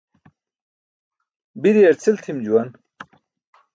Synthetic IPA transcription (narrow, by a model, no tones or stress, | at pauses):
bid̪iɐɾt͡sʰilt̪ʰimd͡ʑuwɐn